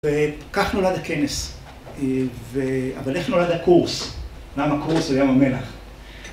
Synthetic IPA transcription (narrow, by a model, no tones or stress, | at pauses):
vekaχnolad̪akenes | vea̰valeχnolad̪akuʁs | jamakuʁsojamamelaχ